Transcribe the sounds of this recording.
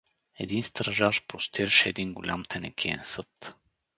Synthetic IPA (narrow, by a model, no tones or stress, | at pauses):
ɛ̰d̪inst̪ɾɐʒaʃpɾost̪iɾɐʃɛɛd̪inɡʊlʲa̰mt̪ʰɛnɛkʰiɛ̰nsɤt̪